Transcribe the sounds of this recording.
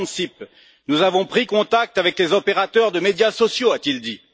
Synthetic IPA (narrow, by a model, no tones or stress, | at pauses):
nsip̚ | nuzavɔ̃pχikɔ̃t̪ak̚t̪avɛklezɔpeʁat̪œʁd̪əmed̪jasɔsjoat̪ild̪i